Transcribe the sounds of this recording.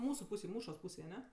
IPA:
ˈmuːsʊ ˈpuːsʲeːj ˈmuːʃoːs ˈpuːsʲeːj ɐˈnʲɛ

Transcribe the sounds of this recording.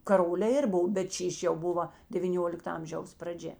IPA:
kɐˈroːlʲeː ˈɪr ˈboːw bʲɛt ˈʃʲiːʃʲ jɛʊ ˈbʊʋɐ dʲɛʋʲiːˈnʲoːlʲɪktɐ ˈɐmʲʒʲɛʊs prɐˈd͡ʒʲɛ

